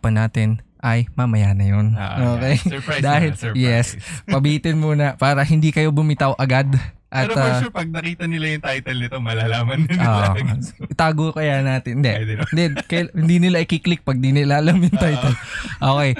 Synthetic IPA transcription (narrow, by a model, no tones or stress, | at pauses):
pɐnaːt̪ɪnʔɐjmɐmɐjanɐjon̰ʔoːkɛjd̪aːhɪljɛspɐbɪiːt̪ɪnmuːnɐpaːɾɐhɪnd̪iːkɐjo̞bʊmɪt̪ɐwʔɐɡad̪ | ʔɐt̪apɐɡ̚nɐkiːt̪ɐnɪlajʊŋt̪ajt̪ɛlnɪt̪omɐlaːlaːmɐnoːʔʔɪt̪aːɡokɐjanaːt̪ɪnd̪ɛnd̪ɛkɐjhɪnd̪inɪlaʔɪkiklɪk̚pɐɡ̚d̪inɪlaʔɐlɐmjʊŋt̪ajt̪ɛlʔoːkɛj